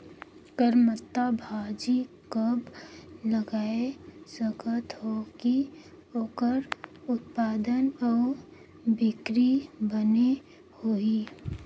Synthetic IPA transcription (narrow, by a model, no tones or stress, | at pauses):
kəɾmət̪ːabʱaːd͡ʒikəbləɡaːesəɡət̪hoki | oːkəɾʊt̪̚paːd̪ənɔː | bɪkɾibəne | hoːi